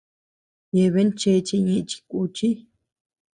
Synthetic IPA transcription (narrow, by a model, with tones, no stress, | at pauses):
je˧βe˦nt͡ʃe˧t͡ʃi˧ɲĩ˧ʔt͡ʃi̥˧kʷu˧t͡ʃi˦